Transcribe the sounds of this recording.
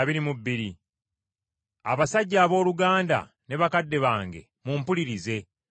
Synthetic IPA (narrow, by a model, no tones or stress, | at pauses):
βiɾimubːiɾi | a̰βasaɟːaːβo̞ːluɡaːnda̰ | ne̞βakadːe̞βaːŋɡe̞̰ | mumpuliɾize̞